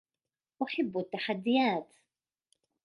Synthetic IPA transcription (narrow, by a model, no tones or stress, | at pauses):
ʔaħabːʊt̪ːaħad̪ːɪjaːt̪